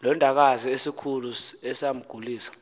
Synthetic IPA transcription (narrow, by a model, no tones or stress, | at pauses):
lɔndʱak̬aziesikʰuluɛsam̩ɡ̥ʱuliːsḁ